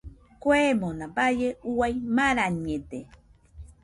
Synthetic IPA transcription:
kwemonãbajeuajmaɾaɲet̪e

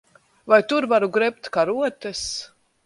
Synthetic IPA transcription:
vajt̪uɾvaɾuɡɾɛp̚t̪kaɾuɔt̪ɛs

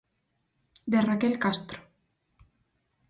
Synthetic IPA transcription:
d̪erakelkast̪ɾo̥

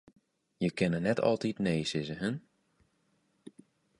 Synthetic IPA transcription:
jəkɪnənɛtʰɔ̰lˠtitneːsɪzəɦən

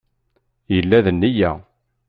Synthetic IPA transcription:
jəlːæðənːijæ̰

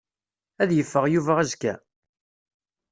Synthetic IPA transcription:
æðjəfːəʁjuvæʁæzkæ

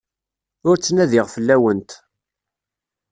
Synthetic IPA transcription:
ʊɾt͡sːnæðɪʁfəlːæwənt̪

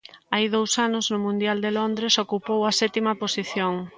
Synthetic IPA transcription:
ajðowsanʊznʊmũnd̪jald̪elond̪ɾesokupowɐsɛt̪imɐposiθjoŋ

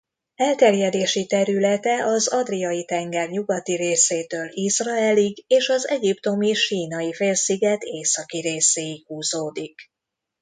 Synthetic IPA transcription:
ɛlt̪ɛrjɛd̪eːʃit̪ɛɾylɛt̪ɛʔɒzɒd̪rijɒjit̪ɛŋɡɛrɲuɡɒt̪iɾeːseːt̪øːlisrɒɛliɡeːʃɒzɛɟipt̪o̞miʃiːnɒifeːlsiɡɛt̪eːsɒkiɾeːseːihuːzoːd̪ik

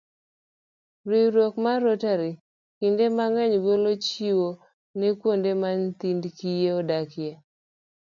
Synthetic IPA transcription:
ɾiɾokmaɾotaɾi | kindemaŋɛɲɡolot͡ʃiwo | nekwondemant̪indkijeɔdakɪja

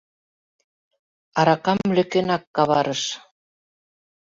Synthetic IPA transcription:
ɑɾɑkɑmlø̆kenɑkːɑβɑɾəʃ

